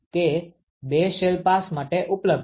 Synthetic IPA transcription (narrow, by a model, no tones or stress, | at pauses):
t̪e | beʃelpasmaʈeʔupləb̚